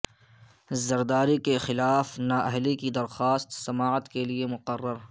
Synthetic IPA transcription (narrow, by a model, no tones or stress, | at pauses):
zɐɾd̪aːɾikexɪlaːfnaːʔɐɦlikid̪ɐɾxaːst̪sɐmaːət̪keliemʊqərːəɾ